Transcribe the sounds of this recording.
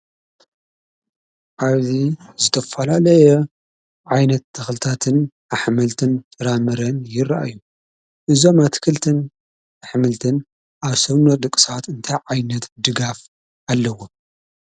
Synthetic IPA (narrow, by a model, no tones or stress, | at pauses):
ʔaβzizɨt̪ʰɐfɐlalɐjɛ | ʕajnɐt̪ʰːɨxlɨt̪ʰat̪ʰɨn | aħmɨlt̪ʰɨnt̪ʰʼɐɾamɨɾɐnjɪraʔa̰jːu | ʔɨzo̞mat̪ʰɨ̥kʰɨlt̪ʰɨn | aħmɨlt̪ʰɨn | ʔaβsɐβnod̪ɨkʼɨ̥sat̪ɨnt̪ʰajʕajnɐt̪d̪ɨɡaf | ʔalːɐwo